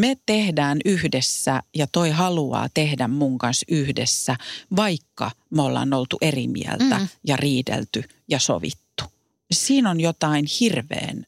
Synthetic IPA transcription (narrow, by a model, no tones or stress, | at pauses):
met̪ehdæːnyhdesːæjɑt̪oihɑluɑ̰ːt̪ehdæmmuŋkɑnsyhdesːæʋɑikːɑ̰molːɑ̰nolt̪uʔerimḭæ̰lt̪æ̰jɑriːdḛlt̪y | jɑso̰ʋḭt̪ːu̥ | siːnonjot̪ɑinhirʋḛːn